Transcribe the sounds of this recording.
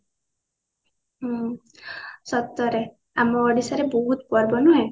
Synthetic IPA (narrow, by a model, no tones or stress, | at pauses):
ɦ | sɔt̪ːɔɾe | amɔɔɖisaɾebɔɦut̪pɔɾbɔnɔɦẽ